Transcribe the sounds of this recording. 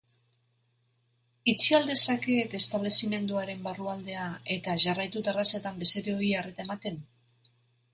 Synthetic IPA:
it͡siald̪e̞sake̞t̪e̞st̪aβ̞le̞sime̞nd̪uaɾe̞mbaruald̪e̞ae̞t̪aʝarajt̪ut̪erasat̪ambe̞seɾe̞o̞iaret̪ae̞mat̪e̞n

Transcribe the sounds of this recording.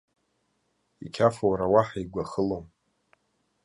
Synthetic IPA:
ikʲʰafowɾawaħaiɡʷaχəlom

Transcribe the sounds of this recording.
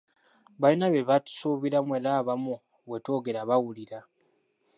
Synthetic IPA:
βainaβeβatu̥suːβiɾamweɾaːβamu | βwe̞to̞ːɡe̞ɾaβawuliɾa

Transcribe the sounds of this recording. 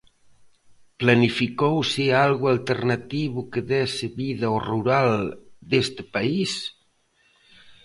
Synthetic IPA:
planifikowsealɣualt̪eɾnat̪iβukeðɛseβiðaoruɾald̪est̪epais

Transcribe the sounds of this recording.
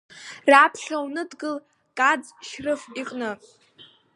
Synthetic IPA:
raːpʰʃawnɨdɡɨl | kʼad͡z | ʃrɨfiqʼnɨ

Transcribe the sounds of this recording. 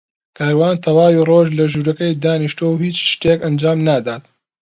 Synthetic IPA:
kʰaːɾwaːnt̪ʰɐwaːwiːroːʒlɐʒuːɾɐkɐjd̪aːniʃt̪owhiːt͡ʃʃt̪ekɐnd͡ʒaːmnaːd̪aːt̪

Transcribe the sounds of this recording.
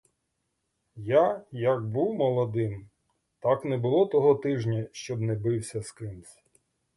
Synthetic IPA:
jajɐɡbuwmɔlˠɔd̪ɪm | t̪aknɛbʊlˠɔt̪ɔɦɔt̪ɪʒnʲɐʃt͡ʃɔbnɛbɪwsʲɐskɪmsʲ

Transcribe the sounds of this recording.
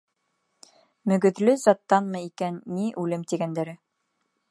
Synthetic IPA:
mɵ̆ɡɵ̆ðlɵzɑt̪ːɑnmɤikænːiʔʉlɘmt̪iɡænd̪æɾɘ

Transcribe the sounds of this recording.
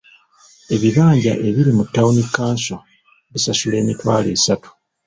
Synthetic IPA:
e̞βiβaːɲɟa̰ʔe̞βiɾimutːaunikːaːnso | βisasule̞ːmitwaːle̞ːsatu̥

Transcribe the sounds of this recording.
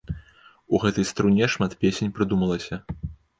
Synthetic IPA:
uɣɛt̪ɐjst̪ɾunʲɛʂmat̪pʲesʲenʲpɾɨd̪umɐlˠɐsʲɐ

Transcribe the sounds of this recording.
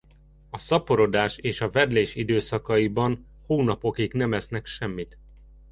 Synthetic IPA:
ɒsɒpo̞ɾo̞d̪aːʃeːʃɒvɛd̪leːʃid̪øːsɒkɒibɒn | hoːnɒpo̞kiknɛmɛsnɛkʃɛmːit̪

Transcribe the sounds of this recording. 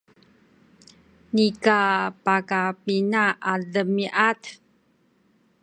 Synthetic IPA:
nikapakapinaʔadəmiʔat̪

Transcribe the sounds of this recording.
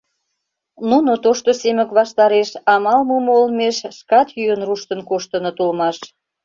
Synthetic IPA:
nunot̪oʃt̪osemə̆kβɑʃt̪ɑɾeʃɑmɑlməmolmeʃʃkɑt̪jyənruʃt̪ə̆nkoʃt̪ə̆not̪ulmɑʃ

